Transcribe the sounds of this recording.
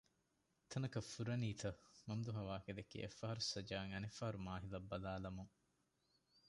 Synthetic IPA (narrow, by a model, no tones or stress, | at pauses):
t̪ʰɐnɐkɐfuɾɐniːt̪ɐmɐmd̪uɦɐʋaːked̪ekːḭʔḛfːɐɦɐɾusɐd͡ʒaːŋɐnefːɐɦɐɾumaːɦilɐbːɐlaːlɐmuŋ